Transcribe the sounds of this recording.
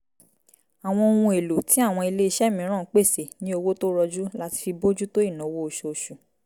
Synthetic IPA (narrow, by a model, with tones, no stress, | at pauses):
a˨w̃ɔ̃˧o˧wũ˧e˨lo˨tĩ˨˦a˦˨w̃ɔ̃˧i˧le˦i˧ʃɛ˦˨mĩ˨˦ɾ̃ã˦˨˦k͡pe˦˨se˨nĩ˨˦o˧wo˦to˦ɾɔ˧d͡ʒu˦la˦ti̥˧fi˧bo˦d͡ʒu˦to˦i˦˨nã˨˦wo˦o˧ʃo˧o˧ʃu˨